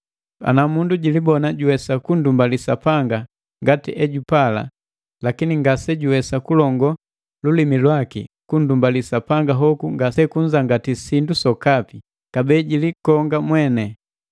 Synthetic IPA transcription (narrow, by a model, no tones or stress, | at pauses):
a̰namunduɟilibɔnaɟuwɛsakun̩dumbalisapaŋɡa | ŋɡatiʔɛɟupala̰ | lakiniŋɡasɛɟuwɛsakulɔŋɡɔ | lulimilwakḭkundumbalisapaŋɡaɦɔkuŋɡasɛkuɲd͡ʒaŋɡatisindusɔkapi | kabɛːɟilikɔŋɡamwɛnɛ